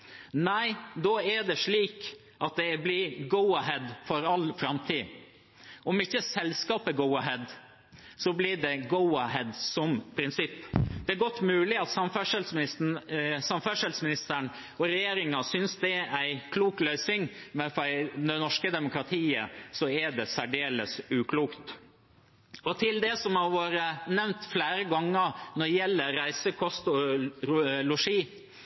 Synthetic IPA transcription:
næɪd̪oːæɖɛʂɭiːk | ʔɑt̪̚d̪ɛblɪɡɔʊɑɦɛd̪fɔɾɑlfɾɑmt̪ʰiː | ʔɔmɪçːəsɛlskɑːpəɡɔʊɑɦɛd̪ | sɔblɪɖɛɡɔʊɑɦɛd̪sɔmpʰɾɪnsɪpːd̪ɛæɾɡɔt̪ːmʉːlɪɑt̪sɑmfæʂɛlsmɪɪssɑmfæʂɛlsmɪnɪst̪əɳ | ɔɾɛjeːɾɪŋɑsʏnsd̪ɛæɪkʰluːklœʏsɪŋmɛnfɔɛnɔʂkəd̪ɛmʊkɾɑt̪ʰiːə̰sɔɛɖɛsæɖeːləsʉːkʰluːkt̪ | ɔt̪ʰɪld̪ɛsɔmhɑɾʋoːɾənɛʋnt̪flæːɾəɡɑŋːənɔɖjɛlːəɾæɪsəkʰɔst̪ɔɾlʊʂiː

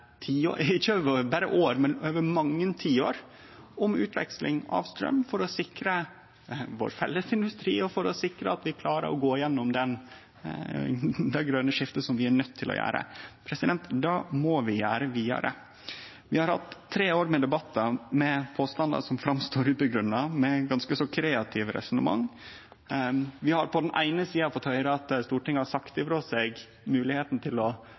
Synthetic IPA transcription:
t̪ʰiːo̰ːɪçːəøːʋəbæːɾə̰ʔoːɾmɛnøːʋəmɑŋːənt̪ʰiːoːɾ | ɔmʉːt̪ʰʋɛ̰kslʔɪ̰ŋɑ̰ʋst̪ɾœ̰mːfɔɾɔsɪkɾə | ʋo̰ːɾfɛ̰lːəsɪnd̪ʉst̪ɾḭːɔfɔɾɔsɪkɾəɑt̪ʋɪkʰlɑːɾə̰ɾɔɡoːɪjɛnːɔmd̪ɛn | d̪ɛɡɾœnːəʂɪft̪əsɔmʋɪænœt̪ʰːɪlʔɔ̰jæ̰ːɾə̰pʰɾɛsɪd̪ɛnt̪d̪ɑːmɔʋɪjæːɾəʋiːɑ̰ɾə̰ | ʋɪhɑɾhɑ̰t̪ʰːɾeːoːɾmɛd̪ɛbɑt̪ːɑmɛpʰoːst̪ɑnd̪ɑ̰sɔmfɾɑmst̪oːɾʉːpəɡɾʉnːɑmɛɡɑnskəsɔkʰɾeːɑt̪ʰɪːʋəɾɛ̰sʊnəmɑ̰ŋː | ʋɪhɑɾpʰɔd̪ɛnʔæ̰ɪnəsiːɑfɔt̪hœʏɾəɑt̪st̪uːʈɪŋːɑsɑkt̪ɪfɾɔseːɡ | mʉːlɪheːt̪n̩t̪ʰɪlɔ

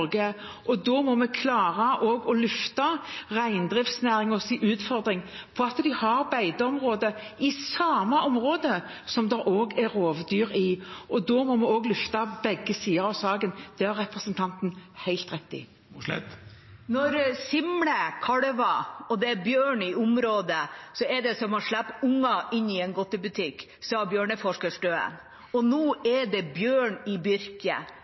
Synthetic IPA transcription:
ɡə | ɔd̪ɔːmɔmɛkʰlɑːʁɑʔoːɡɔlʉft̪ɑʁæɪnd̪ɾɪft̪snæːɾɪŋɔsiːʔʉːt̪fɔɾd̪ʁɪŋ | pʰɔɑt̪d̪ɪhɑɾbæɪd̪əɔmʁoːd̪ə | ɪsɑːmɑʔɔmʁoːd̪ə | sɔmd̪ɛɾʔoːɡæɾoːʋd̪yːɾɪɔd̪ɔːmɔmɛoːɡlʉft̪ɑbɛɡːəsiːəɾɑʋsɑːɡənd̪̥ɛæɾʁɛpɾəsənt̪ʰɑnt̪n̩hæɪlt̪ɾɛt̪ːɪ̰ | nɔɾsɪmləkʰɑɽʋɑɔd̪ɛæɾbjøːɳɪʊmɾoːd̪əsɔɛɖɛsɔmɔʂlæp̪ːʊŋːɑʔɪnːɪɛnɡɔt̪ːəbʉt̪ʰɪkː | sɔbjøːɳəfɔʂkəʂɖøːə̰n | ɔnuːʔɛɖɛbjøːɳɪbʏɾkə̰

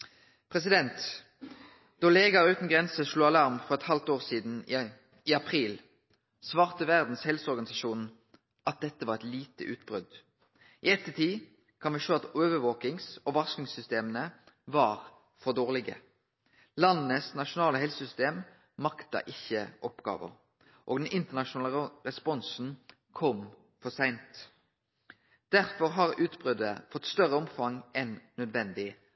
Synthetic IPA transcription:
pʰʁɛsɪd̪ɛnt̪ | d̪̥ɔleːɡɑʁəʉːt̪n̩ɡʁɛnsəʃluːɑlɑʁmfɔʁɛt̪hɑlt̪oːʁsiːd̪n̩ | ɪɑpʰʁiːl | sʋɑːʁt̪əʋæʁd̪n̩shɛlsəɔʁɡɑnɪsɑʃuːn̩ | ʔɑt̪̚d̪ɛt̪ːəʋɑʁɛt̪liːt̪ə̰ʔʉːt̪̚bʁʉd̪ | ʔɪɛt̪ːət̪ʰiː | kʰɑnʋiːʃøːɑt̪øːʋəʋoːkɪŋsɔʋɑsknɪŋsʏst̪eːmənə | ʋɑʁ | fɔʁd̪oːʁlɪɡə̰ | lɑnnəsnɑʃʊnɑːləɦɛlsəsʏst̪eːm | mɑkt̪ɑ̰ʔɪçːəʔɔpɡ̥ɑ̰ːʋə̰ʁ | ʔoːɡd̪ɛnʔɪnt̪əʁnɑʃʊnɑːləʁɛspɔnsn̩ | kʰɔm | fɔsæɪnt̪ | d̪̥æʁfɔʁɦɑʁʉːt̪bʁʏd̪əfɔt̪ːst̪œʁəɔmfɑŋʔɛnnœd̪ʋɛnd̪ɪ

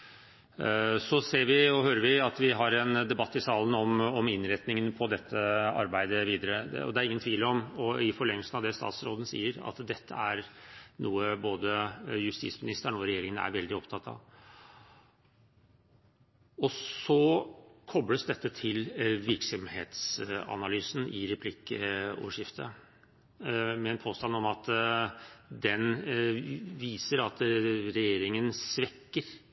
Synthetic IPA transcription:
sɔseːɾʋɪɔɦøːɾəʋɪɑt̪ʋɪɦɑɾɛnd̪ɛbɑt̪ːɪsɑːlənɔmɔmɪnɾɛt̪nɪŋənpʰɔd̪ɛt̪ʰːəɑ̰ɾbæɪd̪əʋiːd̪əɾəɔ̰d̪ɛæɾɪŋənt̪ʰʋiːləɔmɔɪfɔɭɛŋləlsnɑʋd̪ɛst̪ɑ̰ːt̪sɾoːd̪ən̩sḭːəɾɑ̰t̪d̪ɛt̪ʰːə̰æɾnuːəboːd̪əjʉst̪ḭːsmɪnɪst̪əɳɔɾɛjeːɾɪŋənæ̰ɾʋɛld̪ɪɔpt̪ʰɑt̪ʰːɑ̰ | ɔsɔkʰɔbɽəsd̪ɛt̪ːət̪ʰɪlʋɪɾksɔmhḛːt̪sɑ̰nɑlyːsn̩ʔɪɾɛpʰlɪkːəo̰ːʋəʂjɪft̪ʰə̰ | mɛɛnpʰoːst̪ɑnɔmɑt̪ | d̪ɛn | ʋiːsəɾɑt̪ɾɛjeːɾɪŋənsʋɛkːəɾ

